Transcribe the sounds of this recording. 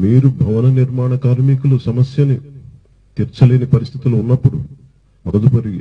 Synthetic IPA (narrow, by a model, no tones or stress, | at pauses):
miːɾubʱɐʋɐnɐniɾmaːɳɐkaːɾmikulusɐmɐsjɐni | t̪iɾt͡ʃɐliːnipɐɾist̪ʰi̥t̪iluunːɐpːuɽṵ | mɐɡɐd̪upɐɾi